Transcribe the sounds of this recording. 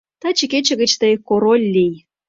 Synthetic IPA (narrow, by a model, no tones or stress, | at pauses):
t̪ɑt͡ɕiket͡ɕə̆ɣə̆t͡ɕt̪əjkːoɾolʲːij